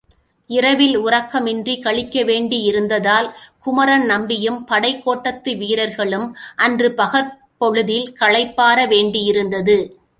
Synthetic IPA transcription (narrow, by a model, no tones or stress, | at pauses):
ɪɾɐʋɪlʊɾɐkːɐmɪndrikɐɭɪkːɐʋeːɳɖɪjɪɾɯnd̪ɐðaːlkʊmɐɾɐnnɐmbɪjɯmpɐɽɐɪkːoːʈːɐt̪ːɯʋiːɾɐɾɣɐɭɯmʔɐndrɯpɐɣɐɾ | pɔɻɯðɪlkɐɭɐɪpːaːɾɐʋeːɳɖijɪɾɯnd̪ɐðɯ